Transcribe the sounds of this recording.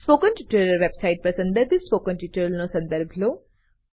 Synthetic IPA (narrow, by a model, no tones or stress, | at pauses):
spoːkənʈuːʈəɾəʋebsaɪʈ̚pəsɐ̃nd̪əɾd̪ispoːkənʈuʈəɾlnõsɐ̃nd̪əɾbʱloː